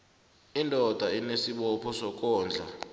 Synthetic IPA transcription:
indʱɔd̥ʱainesiɓɔpʰɔsɔk̬ʼɔːnd͡ɮʱa̰

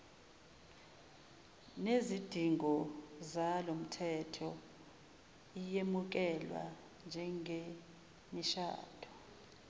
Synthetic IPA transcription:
nezid̥ʱiŋɔzalom̩tʰɛtʰɔ | ijemuk̬ɛlwa̰ | nd͡ʒʱɛŋʱe | miʃa̰ːd̥ʱɔ̥

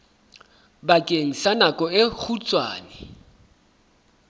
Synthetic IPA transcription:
bakʼeŋ̩sanakʼɔɪk͡xʰut͡sʼwa̰ːnɪ

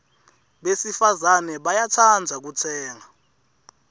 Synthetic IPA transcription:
ɓesifazanɛɓajat͡sʰand͡zʱak̬ut͡sʰɛːŋa

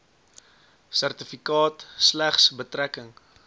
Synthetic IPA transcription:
særtəfikɑːtslæχsbətrækəŋ

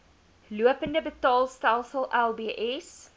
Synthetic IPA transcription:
luəpəndəbətɑːlˠstælˠsəlˠælˠbiːʔɛs

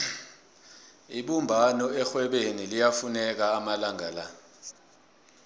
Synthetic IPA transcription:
iɓumbʱanɔɛxwɛɓenilijafunɛk̬aːmalaŋala

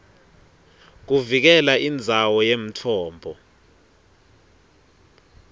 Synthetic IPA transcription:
k̬uvik̬ɛlaʔind͡zʱawɔjem̩tʰɔːmbʱɔ

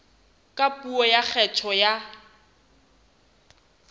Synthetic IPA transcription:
kʼapʼuɔjak͡xʰɛt͡ʃʰɔja

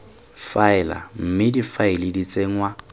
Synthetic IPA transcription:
faɪla̰m̩mɪdifaɪlɪdit͡sʼeŋwa

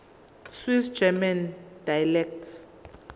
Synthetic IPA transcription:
swisd͡ʒɛmand̥ajlɛk̚ts

